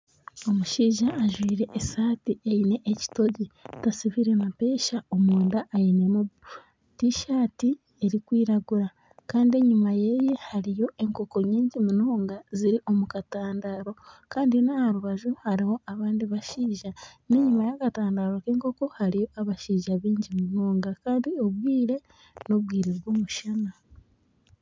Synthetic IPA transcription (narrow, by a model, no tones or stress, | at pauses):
o̞muʃiːʒaʔːʒwiːɾe̞ʔːsaːtiʔejine̞ʔeci̥to̞ɟitasiβiɾe̞nape̞ːʃaomuːndaʔːjine̞muβ | tiʃaːti | e̞ɾikwiːɾaɡuɾa | kaːndie̞ɲumaje̞je̞haɾijo̞ʔe̞ŋko̞ko̞ɲiːɲɟimunoːŋɡaziɾiʔo̞mukataːndaɾo̞kaːndinahaɾuβaʒuhaɾiho̞ʔaβaːndiβaʃiːʒane̞ɲumajakataːndaɾo̞keŋko̞ko̞haɾijo̞ʔaβaʃiːʒaβiːɲɟimuno̞ːŋɡakaːndio̞βwiːɾe̞ | no̞βɡiːɾeβɡoːmuʃana